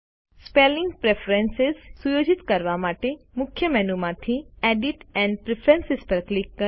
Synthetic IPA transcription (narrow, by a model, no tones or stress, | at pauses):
spelɪ̃ŋɡpɾepʰɾensɪzsujoːd͡ʒɪt̪kəɾʋamaːʈemʊkʰjəmɛːnumãt̪ʰiɛːɖiʈɛ̃ːɳɖpɾepʰɾɛ̃nsɪspəɾklɪkːə